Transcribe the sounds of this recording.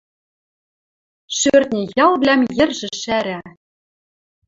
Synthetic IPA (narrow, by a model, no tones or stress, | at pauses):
ʃørt̪nʲĕjɑlˠβlʲæmjɘ̆rʒɘ̆ʃæɾæ